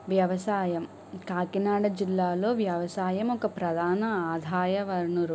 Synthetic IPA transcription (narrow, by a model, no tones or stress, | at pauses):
ʋjɐʋɐsaːjɐm | kaːkinaːɽɐd͡ʒilːaːlo̞ːʋjɐʋɐsaːjɐmɔkɐpɾɐd̪ʱaːnɐaːd̪ʱaːjɐʋɐɾnuɾ